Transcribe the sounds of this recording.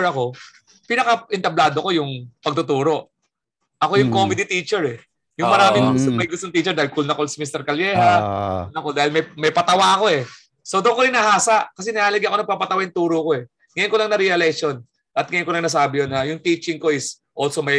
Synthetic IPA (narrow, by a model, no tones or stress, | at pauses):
ɾɐko̞ | pinɐkɐʔɪnt̪ɐblaːd̪oko̞jʊŋpɐɡ̚t̪ʊt̪uːɾo̞ʔ | ʔɐko̞jʊŋkomɪd̪it̪iːt͡ʃɛɹɛ | jʊmɐɾaːmɪŋŋmɐjɡʊst̪oŋt̪iːt͡ʃɛɾd̪ahɪlkʊlnɐkolsimist̪ɛɾkɐljɛːhanɐkod̪aːhɪlmɐjmɐjpɐt̪ɐwaɐko̞ɛ | sowd̪okoɾɪnɐhaːsɐʔkɐs̬ɛnɐaːlɐɡɪʔɐko̞nɐŋpɐmpɐt̪ɐwaŋt̪uːɾoko̞ɛ | ŋɐjonko̞lɐŋnɐɾɛɐlɛkʃo̞n | ʔɐt̪̚ŋɐjonkolɐŋnɐs̬aːbɪjonːɐjʊŋt̪iːt͡ʃɪŋko̞ɪs | ʔosomɐj